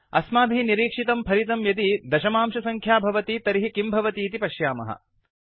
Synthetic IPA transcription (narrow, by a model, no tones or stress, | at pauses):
ɐ̰smaːb̪ʱiiniɾiːkʂit̪ɐmpʰɐɾit̪̬ɐmjɐd̪id̪ɐʃɐmaːmʃɐsɐŋkʰjaːbʱɐʋɐt̪iːt̪ɐɾiɦikimbʱɐʋɐt̪iːt̪ipɐʃjaːmɐ̰ɦɐ̰